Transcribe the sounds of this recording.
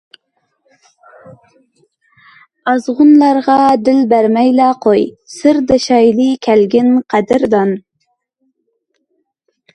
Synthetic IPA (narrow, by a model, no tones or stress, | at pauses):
ɑzʁʊnlˠɑɾʁɑd̪ɪlbæɾmɛjlæqʰoj | sɪɾd̪ɪʃɑjlɨkʲʰælɡʲɪnqʰæd̪ɪɾd̪ɑn